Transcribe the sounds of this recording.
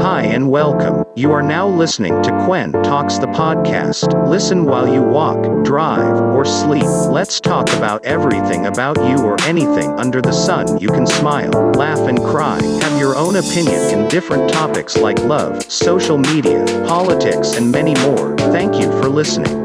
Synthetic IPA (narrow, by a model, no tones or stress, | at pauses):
haɪɨ̃nwɛlˠkə̃mjɨə˞naʊlɪsnɪ̰̃ŋtʰɨkʰw̥ɛ̃ntʰɔksðəpʰɑd̚kʰæ̰stlɪsɨ̃nwaɪlˠjɨwɔ̰kd̥ɹaɪvə˞slip̚lɨtstʰɔkɨbaʊɾɛvɹiθɪ̰̃ŋɨbaʊt͡ʃɨə˞ʔɛniθɪ̰̃ŋʌ̃ndə˞ðɨsʌ̃njɨkʰnsmaɪlˠlæfɨ̃nkʰɹ̥aɪɨvjə˞ʔõʊ̃ñɨpʰɪ̃njɨ̰̃nɨ̰̃ndɪfɹɨ̃ntʰɑpɨkslaɪklʌ̰v̥ | soʊʃl̩ˠmiɾḭɨ̰pʰɑlˠətʰɪksɨ̃nmɛnimɔɹθæ̃ŋkjɨfə˞lɪsnɪ̰̃ŋ